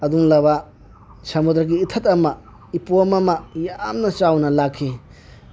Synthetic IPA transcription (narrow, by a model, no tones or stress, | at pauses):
ɐduŋlɐba | sɐmud̪ɾɐɡiːtʰɐtɐmɐ | ipomɐmɐjamnɐt͡ʃawnɐlakʰːi